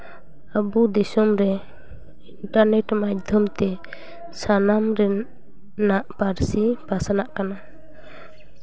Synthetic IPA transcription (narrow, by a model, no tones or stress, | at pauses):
abud̪isɔmɾɛ | iɳʈaɾnɛʈmad̪ʱjɔmt̪ɛ | sanamɾɛ | naʔpaɾsipasanaʔkana